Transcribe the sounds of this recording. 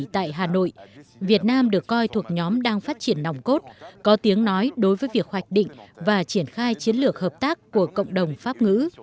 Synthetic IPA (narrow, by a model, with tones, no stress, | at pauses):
t̪a̰ː˧˨jɦaː˨˩no̰˧˨jvi˨˩ət̚naː˧mɗɨ˨˩əkːɔ˧jt̪ʰu˨˩ək̚ɲɔ˨˦mɗaː˧ŋfaː˦˥t̚t͡ɕi˧˩ənːa˨˩wŋ͡mko˦˥t̚kɔ˨˦t̪i˨˦əŋnɔ˨˦jɗo˨˦jvəː˨˦jvi˨˩ək̚hwa˨˩jk̟̚ɗḭ˧˨ŋ̟vaː˨˩t͡ɕi˧˩ənxaː˧jt͡ɕi˨˦ənlɨ˨˩ək̚həː˨˩p̚t̪aː˦˥k̚ːu˧˩əkə̰˧˨wŋ͡mɗə˨˩wŋ͡mfaː˦˥p̚ŋɨ̰˧˥